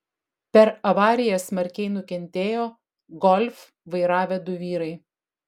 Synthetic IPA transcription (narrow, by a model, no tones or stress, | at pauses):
pʲɛɾɐʋɑːɾʲɪjɛsmɐɾʲkʲɛɪnʊkʲɛnʲt̪ʲeːjoː | ɡɔlʲf | ʋɐɪɾɑːʋʲɛd̪ʊʋʲiːɾɐɪ